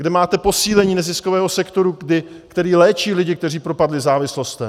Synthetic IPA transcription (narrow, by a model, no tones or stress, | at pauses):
ɡdɛmaːt̪ɛpo̞siːlɛɲiːnɛzɪskovɛːɦosɛkt̪o̞ɾudɪ | kt̪ɛɾiːlɛːt͡ʃiːlɪɟɪk̚t̪ɛriːpɾopadlɪzaːvɪslo̞st̪ɛm